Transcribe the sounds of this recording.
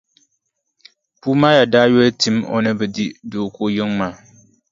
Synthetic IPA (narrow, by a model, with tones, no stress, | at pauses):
puː˦maː˦ja˨daː˦jɔ˦ltɨ˦mo̰˨nɨ˦bɨ˨di˦doː˨ko˦jɪ˦ŋmaː˨˦˨